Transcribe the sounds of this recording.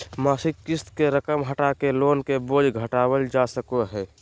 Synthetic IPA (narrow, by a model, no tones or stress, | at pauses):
maːsɪkːɪst̪keɾəkəmɦəʈakeloːnkeboːd͡ʒʱɡʱəʈaːwəld͡ʒasəkoɦɛː